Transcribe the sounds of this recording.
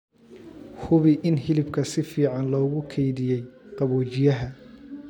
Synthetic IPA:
hʊβɪʔɪnɦɪlɪbkʰɐsɪfiːʕɑnlɔːɣʊkʰɛjðɪjɛjqɑβɔːt͡ʃɪjɐɦɐ

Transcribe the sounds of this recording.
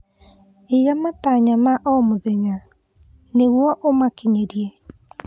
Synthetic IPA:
ejamataɲamaʔɔmoðɛɲa | neɣwɔʔomakiɲeɾiɛ

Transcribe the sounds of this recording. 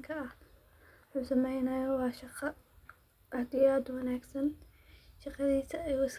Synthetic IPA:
kʰɐɐh | wʊħuːsɐmɛjnɐjɐwɑːʃɑqɑ | ʔɪʕt̪ʰɪjaːd̪wɑnaːɡsɐn | ʃɑqɑðiːsɐɛjʊɪs

